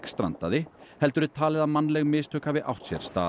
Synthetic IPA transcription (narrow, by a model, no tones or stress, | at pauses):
kst̪ɾa̰nt̪a̰ðɪhɛlt̪ʏɾɪt̪ʰaːlɪðamanːlɛɣmɪːst̪œːkhaːvɪʔa̰wht̪sjɛ̰ɾ̥st̪a̰ː